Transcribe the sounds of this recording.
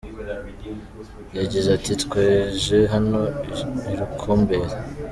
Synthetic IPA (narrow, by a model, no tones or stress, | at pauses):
jaɟiʒeatitkweːʒeɦano̞iɾukʰoːmbe̞ɾa